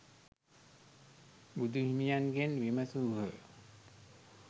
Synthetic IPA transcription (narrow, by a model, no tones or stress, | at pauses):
bud̪uɦimijanɡenʋiməsuɦə